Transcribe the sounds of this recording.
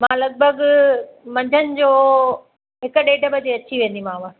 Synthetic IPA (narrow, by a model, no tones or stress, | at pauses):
mãːlɐɡ̚bʱəɡ | mɐ̃ɲd͡ʑʱənɪ̆d͡ʑoː | ɦɪkʊɗeːɖʱəbʱəd͡ʑeɐt͡ɕiʋẽːn̆d̪imãːʋa